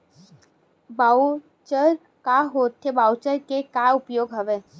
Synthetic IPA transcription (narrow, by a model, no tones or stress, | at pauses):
baːu | t͡ʃəɾ | kaɦoːt̪ʰːebaːut͡ʃəɾkekaʊpjoːɡɦɐʋeː